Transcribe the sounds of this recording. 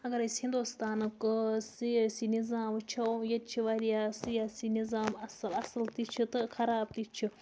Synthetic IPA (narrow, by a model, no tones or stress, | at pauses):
ɐɡɐɾɐsʲhind̪ust̪aːnɨkɨsisinizaːmɨt͡ʃʰɐjɐt̪̚t͡ʃʰiʋaːɾijasɨjasinizaːmɐsɨlɐsɨlt̪it͡ʃʰit̪ɨkʰɐɾaːb̚t̪it͡ʃʰi